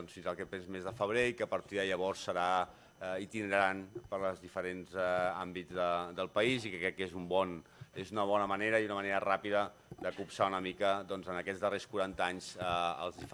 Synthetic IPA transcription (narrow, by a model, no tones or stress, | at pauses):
ɔnsfinzəlˠkɛpɛnzmezðəfəβ̞ɾeikəpəɾt̪iðəʎəβ̞ɔɾsːəɾa | it̪inəɾəɾanpəɾləzðifəɾenzambid͡zðəd̪əlˠpəizikkɾɛkːezumbɔn | ezunəβ̞ɔnəməneɾəiunəməneɾərapiðə | d̪əkupsaunəmikəd̪ɔnzənəkɛd͡zðəreskuɾant̪əaɲz̥əə̰lˠzðif